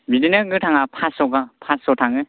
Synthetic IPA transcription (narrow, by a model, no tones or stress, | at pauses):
bidinɯɡɯtʰaŋapʰasɔɡapʰasɔtʰaŋɯ